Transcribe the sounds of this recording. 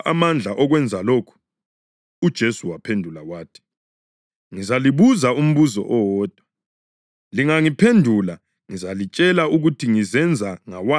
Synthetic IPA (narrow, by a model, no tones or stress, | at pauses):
ʔamand͡ɮʱaʔɔɣwɛnd͡zʱaloːkʰu̥ | ud̥ʒ̥ʱesuwapʰendʱulawaːtʰi̥ | ŋizaliβuzaum̩βuzɔ̰ʔɔwɔːd̥ʱwa | liŋaŋipʰendʱula | ŋizalit͡ʃʼɛlauɣutʰiŋizɛnd͡zʱaŋawa